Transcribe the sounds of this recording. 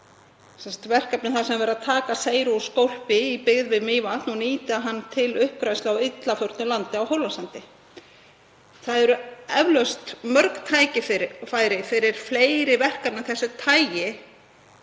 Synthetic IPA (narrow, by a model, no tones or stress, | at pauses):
sɛnsat̪vɛr̥kapnɪθasɛmvɛɾaðt̪ʰaːkaseːjɾuskowl̥pɪipɪɣðvɪmɪːvat̪nɔniːt̪ɪaɦanːt̪ʰɪlʏhpɾajslawɪt̪lafœwɾ̥t̪nʏlant̪ɪawhowlasant̪ɪ | θaðɛɾʏɛvlœst̪mœɾkt̪ʰaːjcɪfaːjɾɪfɪɾɪɾ̥fleːjɾɪvɛr̥kap̚nɪθɛsːʏt̪ʰaːjjɪ